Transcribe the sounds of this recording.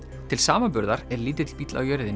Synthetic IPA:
t̪ʰɪlsaːmapʏɾðaɾɛɾliːt̪ɪt̪ʰɪl̥piːt̪la̰wjœɾðɪn

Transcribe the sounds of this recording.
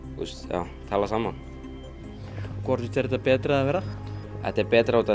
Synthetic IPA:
ṵst̪ja̰w | t̪ʰaːlasaːman | kʰvɔɾ̥ʏt̪ʰɛɾɛt̪apɛːt̪ɾaɛvɛːɾaɛ̰t̪ɛɾpɛːt̪ɾaɔt̪ʰa

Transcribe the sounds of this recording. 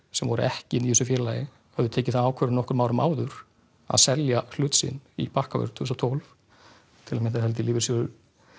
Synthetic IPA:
sɛmvɔɾʏɛhcɪniɪsʏfjɛːɾɪlajɪ | hœvðʏt̪ʰeːcɪθaðaːwkʰvɛɾʏnɔhkʏɾmaːwɾʏma̰ːwðʏɾ̥ | a̰ðsɛljahlʏːt̪sɪ̰nipahkavœ̰ɾt̪ʰusat̪ʰɔwlf | t̪ʰɪlamjɛnθ̬aðhɛlt̪ɪliːvɪ̥ɾsjɔʏ

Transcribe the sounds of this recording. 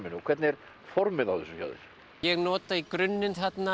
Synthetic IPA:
mɪnʏɔkʰvɛɾt̪nɪɛɾ̥ | fɔɾmɪðawθɛsʏça̰wðɪ̰ɾ̥ | jɛɣnɔːt̪aikɾʏnːɪnθɛt̪na

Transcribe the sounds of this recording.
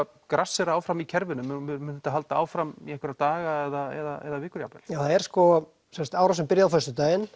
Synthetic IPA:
kɾasːɛɾaaːwfɾamicʰɛɾvɪnʏmmʏnt̪aɦalt̪aa̰ːwfɾamiahkvɪɾat̪aːɣaɛðaɛ̰ðaɛ̰ðavɪːkʏɾjapɛl̥jaθaðɛɾ̥skɔ | sɛnst̪aːwɾasɛmpɪɾjaawfœst̪ʏt̪aːjɪn

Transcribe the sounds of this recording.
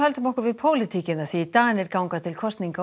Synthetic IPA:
hœlt̪ʏmɔhkʏɾvɪðpʰoːwlɪt̪ʰicɪnaθit̪aːɣnɪɾkawŋkat̪ʰɪlkʰɔst̪niŋka

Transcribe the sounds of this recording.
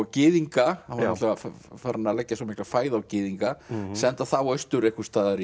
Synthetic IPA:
cɪːðiŋkaanat̪lɛɣaffaɾnːalɛcːasɔmɪhklafaːjðawcɪːðiŋkasɛnt̪aθawœjst̪ʏɾehkʏ̥st̪aːðaɾ

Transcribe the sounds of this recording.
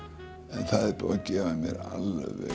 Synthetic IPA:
ɛnθaðɛɾpʏacɛːvamjɛɾa̰lːɛvɛ

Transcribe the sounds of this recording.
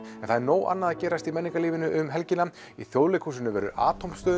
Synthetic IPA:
ɛnθaðɾnoːwʔa̰nːaðacɛːɾast̪imɛnːiŋkaliːvɪnʏʔʏmɦɛlcɪna | ḭθjowlɪkʰhuːs̬ɪnʏvɛ̰ɾʏ̰ʔa̰ːt̪ʰowmst̪œːð

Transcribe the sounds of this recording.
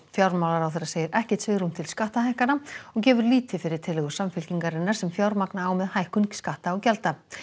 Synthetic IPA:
fjawɾmawlaɾawθejɾːaseːjɪɾɛhcɪ̥ht̪svɪːɣɾumt̪ʰɪlskaht̪ahajhkanaɔɣcɛːvʏɾliːt̪ɪfɪɾɪɾ̥t̪ʰɪlɛɣʏsamfɪlciŋkaɾɪnːaɾ̥sɛmfjawɾmaknaːwmɛðhajhkʏnkskaht̪aɔɣcɛlt̪a

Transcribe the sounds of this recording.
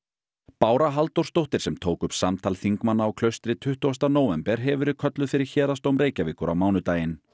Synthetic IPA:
paːwɾaɦalt̪owrst̪owht̪ɪɾ̥sɛmt̪ʰoːwkʏpsamt̪ʰalθiŋkmanːaɔwkʰlœɥst̪ɾɪt̪ʰʏht̪ʏast̪anoːwɛmpɛɾ̥ɦɛvʏɾɪkʰœt̪lʏfɪɾɪɾ̥çɛːɾast̪owmɾeːjcavɪːkʏɾa̰wmaːwnʏt̪aːjɪn

